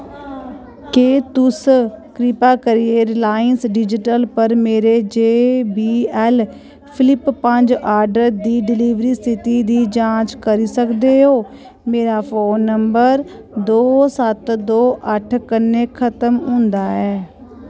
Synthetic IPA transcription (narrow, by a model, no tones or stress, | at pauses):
keːt̪ʊskɾɪpaːkəɾieɾlaːɪənsɖɪd͡ʒɪʈəlpəɾmeːɾeːd͡ʒeːbiːɛːl | pʰɪlɪpːəɲd͡ʒaːɾɖəɾd̪iːɖɪliːʋɾiːst̪ɪt̪iːd̪iːd͡ʒãːt͡ʃkəɾiːsəkd̪eːɦoː | meːɾaːpʰoːnːəmbəɾ | d̪oːsət̪d̪oːʔəʈʰkənːeːkʰət̪əmɦʊ̃ːnd̪aːɛː